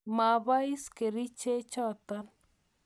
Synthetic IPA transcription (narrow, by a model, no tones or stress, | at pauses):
maβajskeɾit͡ʃet͡ʃat̪an